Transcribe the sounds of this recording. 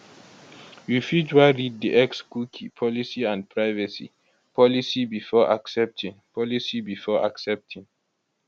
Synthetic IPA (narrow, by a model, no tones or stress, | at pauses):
wifid͡ʒwaɹid̚diʔɛksɡukʰipʰɔlisiãnd̚pʰɹaɪvasḭ | pɔlisibifɔʔa̰ksɛp̚tʰĩŋpʰɔlisibifɔa̰ksɛp̚tʰĩŋ